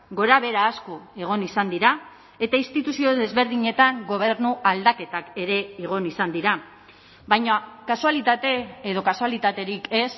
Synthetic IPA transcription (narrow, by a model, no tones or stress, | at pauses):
ɡo̞ɾaβ̞e̞ɾaːsko̞e̞ɣ̞o̞nisand̪iɾa | e̞t̪ainst̪it̪usio̞ðe̞zβe̞ɾðiɲe̞t̪aŋɡo̞β̞e̞ɾnuʔald̪ake̞t̪ake̞ɾe̞iɣ̞o̞nisand̪iɾa | βajɲakasualit̪at̪e̞eð̞o̞kasualit̪at̪e̞ɾike̞s